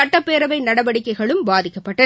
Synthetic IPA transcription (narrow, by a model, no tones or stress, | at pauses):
ɐʈːɐpːeːɾɐʋɐɪnɐɽɐʋɐɽɪkːɐɪɣɐɭɯmbaːðɪkːɐpːɐʈːɐ